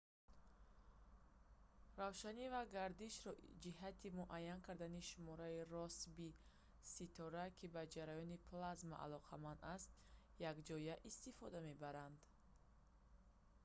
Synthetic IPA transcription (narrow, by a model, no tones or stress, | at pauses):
ravʃanivaɡaɾd̪iʃɾɔd͡ʒiɦat̪ʰimuʔajːankʰaɾd̪aniʃumɔɾairɔsbi | sit̪ʰɔɾakʰibad͡ʒaɾajɔnipʰlazma̰ʔa̰lɔqʰamand̪ast̪ | jaɡd͡ʒɔjaʔist̪ifɔd̪ame̞baɾand̪